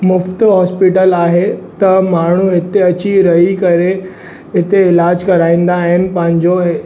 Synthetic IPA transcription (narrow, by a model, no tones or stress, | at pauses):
mʊft̪ɦɔːspɪʈəlaːɦet̪ɐmaːɳ̤uɦɪt̪eɐt͡ɕiɾɐɦikɐɾe | ɦɪt̪eɪlaːd͡ʑkɐɾaːĩːn̆d̪aːɦɪnɪ̆pɐ̃ɦɪ̃ɲd͡ʑo